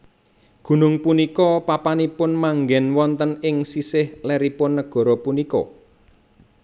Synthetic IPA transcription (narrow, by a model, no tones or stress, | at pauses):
ɡ̥ṳnʊŋpunikɔpapanipʊnmaŋɡɛnwɔnt̪ənɪŋsisɪhlɛɾipʊnːəɡ̥ɔ̤ɾɔpunikɔ̰